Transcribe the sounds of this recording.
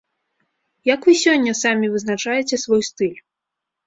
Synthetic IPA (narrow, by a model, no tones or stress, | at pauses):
jɐkvɨsʲɔnʲːɐsamʲivɨznat͡ʂajɛt͡sʲɛsvɔjst̪ɨlʲ